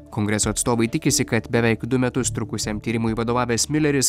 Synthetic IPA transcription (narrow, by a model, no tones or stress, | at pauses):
kɔŋɡɾʲɛsoːɐt̪st̪oːʋɐɪt̪ʲɪkʲɪsʲɪkɐt̪bʲɛʋʲɛɪkd̪ʊmʲɛt̪ʊst̪ɾʊkʊsʲemt̪ʲiːɾʲɪmʊiʋɐd̪oːʋɑːʋʲeːsmʲɪlʲɛɾʲɪs